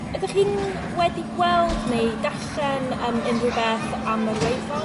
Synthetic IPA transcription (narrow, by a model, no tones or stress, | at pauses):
ədəχin | wɛdiɡwɛlˠdnejdaɬɛnəːmənrʊbɛθamərwejfɔ